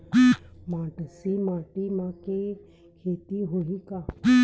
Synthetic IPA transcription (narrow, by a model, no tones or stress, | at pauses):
mãːʈəsimãːʈimãke | kʰeːt̪iɦoika